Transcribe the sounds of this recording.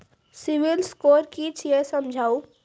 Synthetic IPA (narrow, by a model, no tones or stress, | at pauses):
sɪʋɪlskoːɾkiːt͡ʃʰjesɐmd͡ʒʱaːu